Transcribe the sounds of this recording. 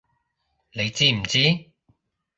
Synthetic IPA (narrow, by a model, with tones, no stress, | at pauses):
ne˨˧jt͡siː˥m̩˨˩t͡siː˥